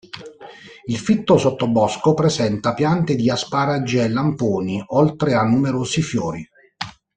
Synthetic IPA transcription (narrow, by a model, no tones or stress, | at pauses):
ilfit̪ːosot̪ːobɔskopɾezɛnt̪apjant̪ed̪iaspaɾad͡ʒːeelːampoːniolt̪ɾeanːumeɾoːsifjɔːɾi